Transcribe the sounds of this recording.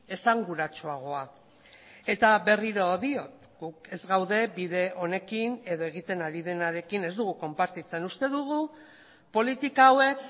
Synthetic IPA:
e̞saŋɡuɾat͡ʃoaɣ̞o̞a | e̞t̪aβe̞riɾo̞ðio̞t̪ | ɡ̥uke̞zɣawðe̞biðe̞ʔo̞ne̞kine̞ðo̞e̞ɣ̞it̪e̞naɾiðe̞naɾe̞kine̞zd̪uɣ̞uko̞mpaɾt̪it͡se̞nust̪e̞ðuɣ̞u | po̞lit̪ikawe̞k

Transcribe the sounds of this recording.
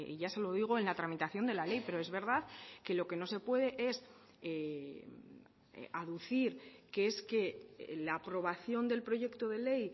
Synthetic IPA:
ḭʝase̞lo̞ðiɣ̞oenlat̪ɾamit̪aθjo̞nd̪e̞lale̞jpe̞ɾo̞e̞zβe̞ɾð̞aðke̞lo̞ke̞no̞se̞pwe̞ð̞e̞ʔe̞s | e | aðuθiɾkeeske̞laːpɾo̞β̞aθjo̞nd̪e̞lpɾo̞ʝe̞kt̪o̞ð̞e̞le̞j

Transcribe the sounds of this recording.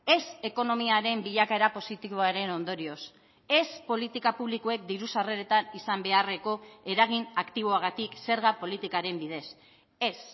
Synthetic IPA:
e̞se̞ko̞no̞miaɾe̞mbiʎakaeɾapo̞sit̪iβoaɾe̞no̞nd̪o̞ɾio̞s | e̞spo̞lit̪ikapuβ̞likue̞k̚d̪iɾusare̞ɾe̞t̪anisambe̞are̞ko̞e̞ɾaɣ̞inakt̪iβ̞o̞aɣ̞at̪ikse̞ɾɣapo̞lit̪ikaɾe̞mbið̞e̞s | e̞s

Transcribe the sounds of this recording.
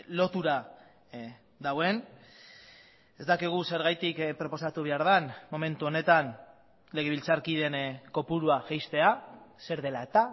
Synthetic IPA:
lo̞t̪uɾa | d̪awe̞n | e̞zd̪akiɣ̞use̞ɾɣajt̪ikpɾo̞po̞sat̪uβ̞e̞aɾðanmo̞me̞nt̪uo̞ne̞t̪an | le̞ɣ̞eβilt͡saɾkiðe̞nko̞puɾuaʝejst̪e̞ase̞ɾðe̞laet̪a

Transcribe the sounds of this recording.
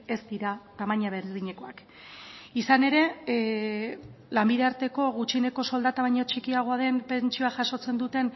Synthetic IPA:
e̞st̪iɾat̪amaɲaβeɾððiɲe̞ko̞a̰k | isane̞ɾe̞ | lambiðeaɾt̪e̞ko̞ɣut͡ʃine̞ko̞so̞ld̪at̪amaɲo̞t͡ʃikiaɣ̞o̞aðe̞npe̞nt͡ʃioaʝaso̞t͡se̞nd̪ut̪e̞n

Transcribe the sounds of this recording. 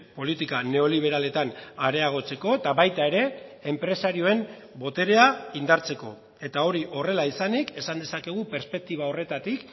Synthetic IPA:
po̞lit̪ikane̞o̞liβ̞e̞ɾale̞t̪anaɾe̞aɣ̞o̞t͡se̞ko̞et̪aβajt̪ae̞ɾe̞ːmpɾe̞saɾio̞e̞m | bo̞t̪e̞ɾe̞aind̪aɾt͡se̞ko̞̰ | e̞t̪ao̞ɾiʔo̞re̞laisanike̞sand̪e̞sake̞ɣ̞upe̞ɾspe̞k̚t̪iβ̞ao̞re̞t̪at̪ik

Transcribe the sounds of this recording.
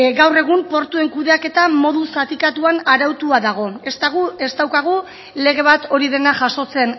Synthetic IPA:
ɡawre̞ɣ̞umpo̞ɾt̪ue̞ŋkuðe̞ake̞t̪amo̞ðusat̪ikat̪uanaɾawt̪uaðaɣ̞o̞est̪aɣue̞st̪awkaɣ̞u | le̞ɣe̞β̞at̪o̞ɾið̞e̞naʝaʃo̞t͡se̞n

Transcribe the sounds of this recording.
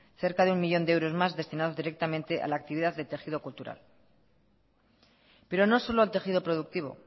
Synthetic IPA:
θe̞ɾkaðeuŋmiʎond̪eewɾo̞zmazðest̪inaðo̞zðiɾe̞k̚t̪amẽnt̪e̞ʔa̰laːk̚t̪iβiðaððet̪e̞xiðo̞kult̪uɾa̰l | pe̞ɾo̞no̞so̞loalt̪e̞xiðo̞pɾo̞ðuk̚t̪iβ̞o̞̰

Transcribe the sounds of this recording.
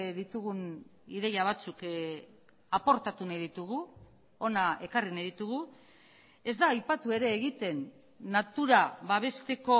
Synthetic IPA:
ðit̪uɣuniðe̞jaβ̞at͡suk | apo̞ɾt̪at̪unajðit̪uɣu | o̞nae̞karinajðit̪uɣ̞u | e̞zd̪aːjpat̪ue̞ɾe̞ːɣ̞it̪e̞nː | at̪uɾaβaβ̞e̞st̪e̞ko̞

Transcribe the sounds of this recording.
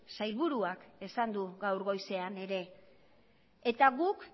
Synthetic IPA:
sajlβuɾuake̞sand̪uɡawɾɣo̞jse̞ane̞ɾe̞ | et̪aɣuk

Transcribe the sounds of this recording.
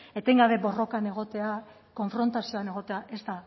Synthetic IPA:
e̞t̪eŋɡaβ̞e̞bo̞ro̞kane̞ɣ̞o̞t̪e̞a | ko̞ɱfɾo̞nt̪asio̞ane̞ɣ̞o̞t̪e̞aʔe̞st̪a

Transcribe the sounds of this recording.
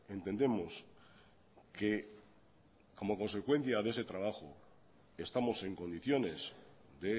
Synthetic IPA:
e̞nt̪e̞nd̪e̞mo̞s | ke̞ | ko̞mo̞ko̞ns̬e̞kwe̞n̟θjaðese̞t̪ɾaβ̞axo | e̞st̪amo̞se̞ŋko̞niθjo̞ne̞sd̪e̞

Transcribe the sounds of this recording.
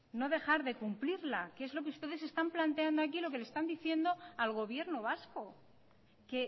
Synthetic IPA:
no̞ðe̞xaɾðe̞kumpliɾlakee̞zlo̞k̬eust̪e̞ðe̞se̞st̪amplant̪e̞and̪oakilo̞ke̞le̞st̪and̪iθje̞nd̪o̞alɣ̞o̞β̞je̞ɾnoβ̞asko̞ | ke̞

